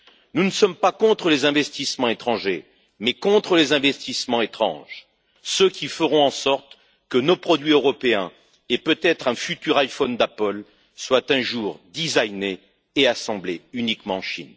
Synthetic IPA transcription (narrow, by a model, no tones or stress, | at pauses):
nunəsɔmpakɔ̃t̪χəlezɛ̃vɛst̪ismɑ̃et̪χɑ̃ʒe | mɛkɔ̃t̪χəlezɛ̃vɛst̪ismɑ̃et̪χɑ̰̃ʒ | søkʲʰifəʁɔ̃ɑ̃sɔʁt̪ | kənopχɔd̪ɥiøʁɔpeɛ̃ | epøt̪ɛt̪χɛ̃fyt̪yʁajfɔnd̪apəl | swat̪ɛ̃ʒuːʁd̪izajneː | asɑ̃bleynikmɑ̃ɑ̃ʃḭn